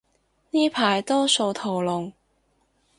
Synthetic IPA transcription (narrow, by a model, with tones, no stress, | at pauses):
niː˥pʰaː˨˩jt̪ɔː˥so˧wt̪ʰo˨˩wlʊ˨ŋ